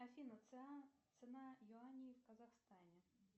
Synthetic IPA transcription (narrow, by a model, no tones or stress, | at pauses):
afʲinɐt̪sɨnajʊanʲijiwkɐzaxst̪anʲɛ